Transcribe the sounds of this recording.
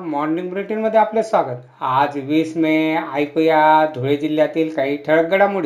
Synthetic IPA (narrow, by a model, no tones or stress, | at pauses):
mɔɾnĩŋɡbɾiʈinməd̪ʱːeaplesʋaɡət̪ | ad͡zʋismẽajkojad̪ʱoɭed͡ʑilːjat̪iːlkaɦiːʈʰəɭək̚ɡəɽamuɽi